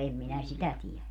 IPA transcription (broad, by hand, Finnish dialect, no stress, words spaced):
em minæ sitæ tiɛlæ